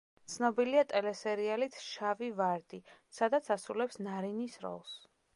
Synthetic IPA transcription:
t̪sʰnɔbiliat̪ʼɛlɛsɛɾialit̪ʰʃavivaɾd̪isad̪at̪sʰasɾulɛpsnaɾinisɾɔ̰lˠs

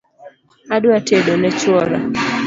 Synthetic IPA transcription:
aɗuatʰeɗɔnɛt͡ʃwɔɾa

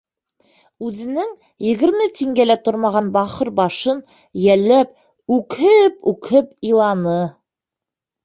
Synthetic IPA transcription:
ʉðɘ̆nɘŋ | jɘ̆ɡɘ̆ɾmɘt̪iŋɡælæt̪oɾmɑʁɑnbɑχɤɾbɑʃɤn | jælːæp̚ | ʉkhɘpʉkhɘpilˠɑnɤ

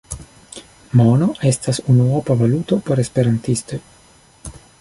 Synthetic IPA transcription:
mono̞ʔe̞stasunuopavalut̪o̞po̞ɾespe̞ɾantist̪o̞j

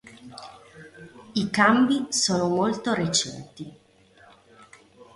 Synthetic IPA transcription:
ikambisoːnomolt̪oɾet͡ʃɛ̰nt̪i

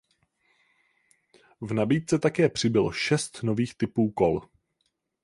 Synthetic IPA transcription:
vnabiːt̪̚t͡sɛt̪akɛːpr̝̥ɪbɪloʃɛst̪no̞viːxt̪ɪpuːko̞l

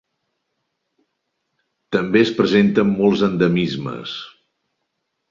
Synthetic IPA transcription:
t̪əmbeəspɾəzent̪əmːɔlˠzənd̪əmizmə̰s

